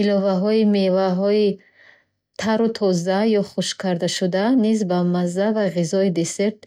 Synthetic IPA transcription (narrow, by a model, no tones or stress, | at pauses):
ilɔvaɦɔimevaɦɔi | t̪ʰaɾut̪ʰɔzajɔχuʃkʰaɾd̪aʃud̪anizbamazːavaʁizɔid̪e̞se̞ɾt̪̚